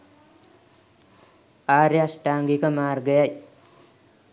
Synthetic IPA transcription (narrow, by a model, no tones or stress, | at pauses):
aːɾeasʈaːŋɡikəmaːrɡəjaj